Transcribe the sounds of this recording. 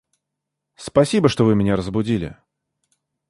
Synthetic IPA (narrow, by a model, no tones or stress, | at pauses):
spɐsʲibəʂt̪ovɨmʲɪnʲaɾəzbʊdʲilʲɪ̰